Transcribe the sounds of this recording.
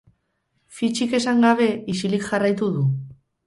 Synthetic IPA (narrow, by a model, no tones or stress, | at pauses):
fit͡ʃike̞saŋɡaβ̞e̞isilikʝarajt̪uðu